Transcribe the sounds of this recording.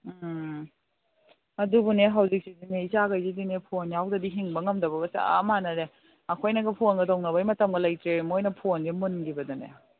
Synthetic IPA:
ɐdubuneɦɐwzik̚sidineizaɡajzidinepʰonjawdɐdiɦiŋbɐŋɐmdɐbɐɡɐt͡ʃa̰a̰manɐɾe | ɐkʰojnɐɡɐpʰonɡɐtɐwnɐβɐjmɐtɐmɡɐlajtɾeɾmojnɐpʰonɡemunɡibɐdɔnḛ

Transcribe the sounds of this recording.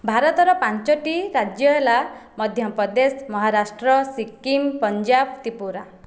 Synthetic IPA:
bʱaɾɔt̪ɔɾɔpant͡ʃɔʈiɾad͡ʒjɔelamɔd̪ʱjɔpɔd̪esmɔɦaɾasʈɾɔsikːimpɔnd͡ʒabt̪ipuɾa

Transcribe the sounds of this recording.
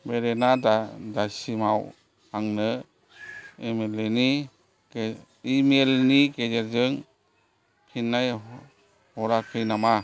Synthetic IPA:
beɾenadadasimaw | aŋnɯ | emeleni | imelniked͡ʒeɾzɯŋ | kʰinːaj | hɔɾakʰɯjnama

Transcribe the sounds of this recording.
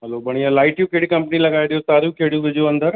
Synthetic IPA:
ɦɐlopɐɽ̃ijãlaːɪʈjũkeɽikɐ̃mpnilɐɠaːeɗijot̪aːɾijũkeːɽijũʋɪd͡ʑjoɐ̃nd̪əɾ

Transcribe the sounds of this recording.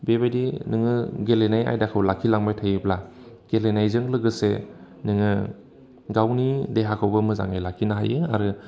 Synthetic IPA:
bebajdinɯŋɯɡelenaja̰jdakʰɯwlakʰilaŋbajtʰajɯpla | ɡ̥elenajzɯŋlɯɡɯse | nɯŋɯ | ɡawnideɦakʰawbɯmɯza̰ŋajlakʰinaɦajɯa̰ɾɯ

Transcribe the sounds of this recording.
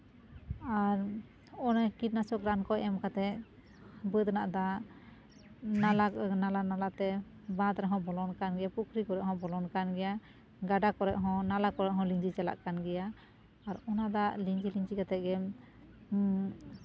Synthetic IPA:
aɾ | ɔnakit̪̚nasɔkɾankɔɛmkat̪ɛʔ̚ | bəd̪naʔd̪a | nalanalanalat̪ɛ | bãt̪ɾaɦɔ̃bɔlɔnkanɡɛjapukʰɾikɔɾɛʔɦɔ̃bɔlɔnkanɡɛja | ɡaɖakɔɾɛ̰ʔɦɔ̃nalakɔɾɛʔɦɔ̃liŋd͡ʒit͡ʃala̰ʔkanɡɛja | aɾɔnad̪aliŋd͡ʒiliŋd͡ʒikat̪ɛʔ̪̚ɡɛm

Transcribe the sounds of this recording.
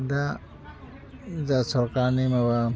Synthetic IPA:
da | zasɔɾkanimaba

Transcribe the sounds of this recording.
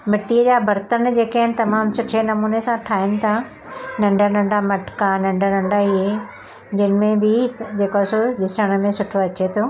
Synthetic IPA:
mɪʈiːəd͡ʑaːbʱɐɾt̪ənd͡ʑeːkaɦɪnɪ̆t̪ɐmaːmsʊʈʰenɐmuːnesãʈʰaːɪnɪ̆t̪ʰa | nɐ̃ɳɖʱənɐ̃ɳɖamɐʈkanɐ̃ɳɖʱənɐ̃ɳɖaie | d͡ʑɪnɪ̆mẽbɪd͡ʑeːkoasod̪ɪʃəɽ̃ə̆mẽsʊʈʰoɐt͡ɕet̪ʰoː

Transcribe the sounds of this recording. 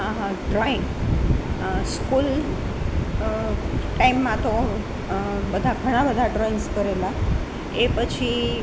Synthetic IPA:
ɖɾain | skul | ʈaimːãt̪o | bəd̪ʱaɡʱəɽ̃ãbəd̪ʱaɖɾainskəɾela | epət͡ʃʰi

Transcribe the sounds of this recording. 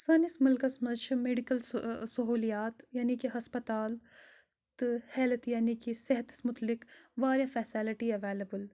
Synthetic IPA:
sɐːnɪsmʊlkɐsmɐt͡ʃʰmeːɖikəlsɐɦuːlijaːt̪jaːnikiɦɐspɐt̪aːl | t̪ɨhɛːlt̪jaːnikiseɦət̪smʊt̪lɪkʋaːɾjafɛːsiːlɪʈiɐʋeːlɐbəl

